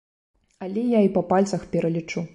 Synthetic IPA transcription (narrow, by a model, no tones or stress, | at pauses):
ɐlʲɛjaipɐpalʲt̪sɐxpʲɛɾɐlʲit͡ʂu